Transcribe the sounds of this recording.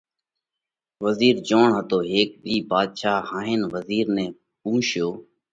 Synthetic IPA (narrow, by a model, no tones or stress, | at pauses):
ʋəziːɾd͡ʒoːɳɦət̪oːɦeːk̚biːbaːd̪ʃaːhãːɦeːnʋəziːɾnẽː | pũːʃjoː